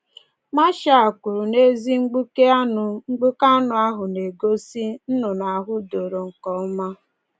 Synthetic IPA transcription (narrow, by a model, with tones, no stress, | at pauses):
ma˦ʃa˨a˨kʷu˨ɾu˨ne˦zi˦ŋ͡m̩˦ɡ͡bu˦ke˦a˦nʊ˨ŋ͡m̩˦ɡ͡bu˦ka˦nʊ˨a˦ɦʊ˨ne˨ɡo˦si˦n̩˦nʊ˨na˨ɦʊ˦do˨ɾo˨ŋ̩˨kɔ˨˦ma˦